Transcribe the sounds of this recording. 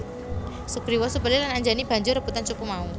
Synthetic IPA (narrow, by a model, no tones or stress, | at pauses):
suɡ̥ɾiwɔsəbəlɪlanaɲd͡ʒanib̥a̤ɲd͡ʒʊrɾəb̥ut̪ant͡ʃupumau